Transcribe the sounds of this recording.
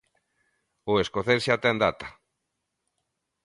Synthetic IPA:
ʊeskoθeɾʃat̪ɛnd̪at̪ḁ

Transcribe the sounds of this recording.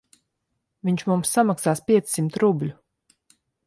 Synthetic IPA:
viɲt͡ʃmumsːamaksaːspʲiɛt̪ssimt̪ɾublʲu

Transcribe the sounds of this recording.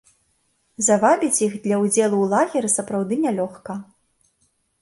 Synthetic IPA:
zavabʲit͡sʲjixd̪lʲɐud͡zʲɛlˠuwlˠaɣʲiɾɨsɐpɾawd̪ɨnʲɛlʲɔxkɐ

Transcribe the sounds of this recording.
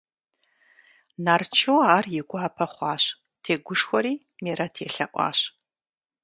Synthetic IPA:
naːrt͡ʃʰowaːrjɪɡʷʊʕapʰɐχʷɑːɕ | tʰeːɡʷʊʂxʷɔɾiː | meːɾɐtʰeːɬɐʔʷʼɑ̰ːɕ

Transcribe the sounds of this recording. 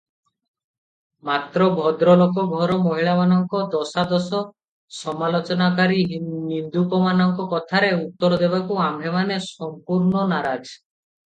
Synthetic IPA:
mat̪ɾɔbʱɔd̪ɾɔlokɔɡʱɔɾɔmɔɦiɭamanɔŋkɔd̪ɔsad̪ɔsɔ | sɔmalot͡ʃɔnakaɾiɦnind̪upɔmanɔŋkɔkɔt̪ʰaɾeut̪ːɔɾd̪ebakuambʱemanesɔmpuɾnɔnaɾad͡ʒ

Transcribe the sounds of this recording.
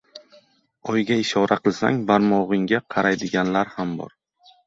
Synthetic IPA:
ɒjɡʲaɪʃɒɾʔaqɨlˠsa̰ŋbaɾmɒʁɨŋɡʲaqʰɑɾajd̪ɪɡʲanlaɾhambɒ̰ɾ

